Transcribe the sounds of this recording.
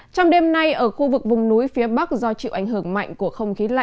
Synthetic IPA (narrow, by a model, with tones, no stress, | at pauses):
t͡ɕɔ˧wŋ͡mɗe˧mna˧jʔəː˧˩xu˧vɨ˨˩k̚vʊ˨˩ŋ͡mnu˨˦jfi˨˦əɓa˦˥k̚zɔ˧t͡ɕḭ˧˨wʔa˧˩jŋ̟ɦɨ˧˩əŋma̰˧˨jŋ̟ku˧˩əxə˧wŋ͡mxi˨˦la̰˧˨